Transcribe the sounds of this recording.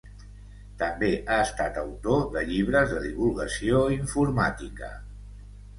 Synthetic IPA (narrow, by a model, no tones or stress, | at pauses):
t̪əmbeʔaəst̪at̪əwt̪oðəʎiβ̞ɾəzðəðiβulˠɣəsioiɱfuɾmat̪ikə̰